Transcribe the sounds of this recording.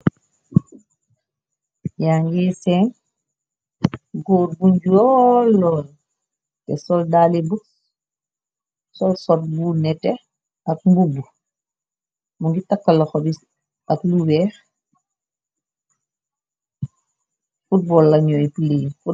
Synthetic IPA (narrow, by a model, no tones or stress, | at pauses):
jaːŋɡisɛːn | ɡɔːɾbuɲɟuɔlːɔːl | tɛsɔldaːlibu | sɔlsɔt̚bunɛtɛ | ɐk̚mbubu | muŋɡitɐkːɐlːɐxɔbi | ɐkluwɛːx | fut̚bɔːlːɐɲɔːjpuleːnfu